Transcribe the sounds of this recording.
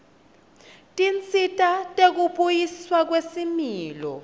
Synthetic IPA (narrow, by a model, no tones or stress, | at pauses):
tʼint͡sʼʰitʼatʼek̬uɓʼujiswak̬wesimiːlɔ̰